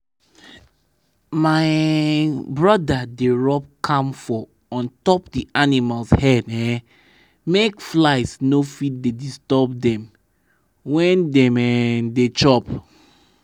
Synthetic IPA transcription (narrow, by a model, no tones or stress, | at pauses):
maɪ | bɹɔdadeɹɔp̚kʰãmfɔ | ɔ̃ntɔpdiʔanimalshɛdɛ | mekflaɪsnofit̚dedistɔbdɛ̃m | wɛ̃ndɛ̃mɛdet͡ʃɔp